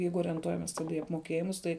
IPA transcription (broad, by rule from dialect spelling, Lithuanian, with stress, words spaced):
ˈjɛɪɡʊ oːrʲɛnˈtuɔjɛmʲɛs ˈtɑːdɐ iː ɐpmoːˈkʲeːjɪmʊs ˈtɐɪ